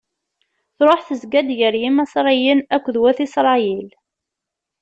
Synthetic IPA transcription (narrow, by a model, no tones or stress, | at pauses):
θɾˤoħθəzɡæd̪jəɾjimæsɾˤijənækʷːðwæθisɾˤɑjil